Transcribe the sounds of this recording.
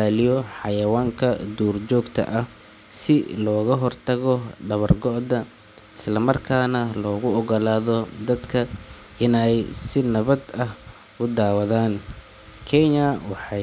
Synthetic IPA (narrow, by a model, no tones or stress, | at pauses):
aːlijɔħɑjɐwaːŋkʰɐd̪uːrt͡ʃɔːɡt̪ʰɐ̰ʔɐh | sɪlɔːɣɐɦɔrt̪ʰɐɣɔɖɐβɐrɡɔʔðɐ | ɪslɐmɐrkʰaːnɐlɔːɣʊɔɣɔlaːðɔd̪ɐd̪kʰɐ | ʔɪnɛjsɪnɐβɐd̪ɐh | ʊd̪aːwɐðaːn | kʰɛɲɐwɑħɑ